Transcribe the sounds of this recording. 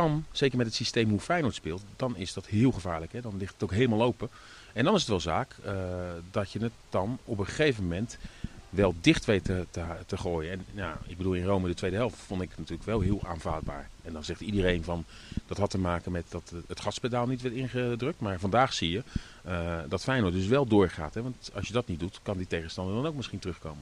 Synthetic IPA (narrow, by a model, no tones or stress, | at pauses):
dɑnz̥ejkəɹmɛtɦətsistejmɦufɛjnɔɹtspɪːlˠtdɑnɪzdɑtɦɪːlˠχəvaːɹləkɦɛdɑnlɪχtətowkɦejləmalˠowpə | ɛndɑnɪs̬ətʋɛlˠzaːkədɑtjənət̚d̥ɑnɔpəχejvəmɛntʋɛlˠdɪχtʋejtətətəχoːjənɛnjaɪɡ̚bədulˠɪnrowmədətʋejdəɦɛlˠftfɔntɪknatyːləkʋɛlˠɦɪːlˠa̰ːnva̰ːd̚ba̰ːɹ | ɛndɑnzɛχtidərejnvɑn | d̥ɑtɦɑtəmaːkənmɛtdɑtətχɑtspedaːlˠnitʋɛɹtɪnχədrɵk̚tmaːɹvɑndaːχsijə | dɑtfɛjnodɵs̬ʋɛlˠdʊːɹχa̰ːtɦɛʋɑntɑ̰lˠsʃjədɑtnit̚dutkɑnditejχənstɑndəɹdɑnowk̚mɪsχintərɵχko̰wmə